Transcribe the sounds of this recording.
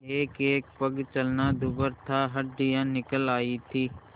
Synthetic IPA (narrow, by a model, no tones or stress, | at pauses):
eːkeːk̚pəɡt͡ʃəlnad̪ʊbəɾt̪ʰaɦɐɾɖɪjãnɪkəlaːit̪ʰiː